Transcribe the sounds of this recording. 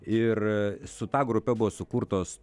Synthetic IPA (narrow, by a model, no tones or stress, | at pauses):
ɪrsʊt̪ɑːɡɾʊpʲɛbʊʋoːsʊkuːrt̪oːs